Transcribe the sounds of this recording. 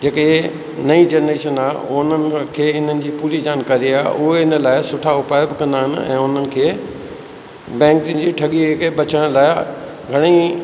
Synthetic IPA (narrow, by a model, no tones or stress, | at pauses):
d͡ʑeːke | nɐid͡ʑenɾeːʃənaːɦʊnənɪ̆kʰeːɪn̤ənɪ̆d͡ʑiːpuːɾid͡ʑaːnkaːɾiaːɦʔʊɦeɪnə̆laːɪsʊʈʰaʊpaːjəbkɐ̃nd̪aːɦɪnɪ̆ɛ̰̃ːʊn̤ənɪ̆kʰeː | bɛ̃ːŋkɪnd͡ʑiːʈʰɐɠiekebɐt͡ɕəɽ̃laːɪ | ɡʱɐɽ̃i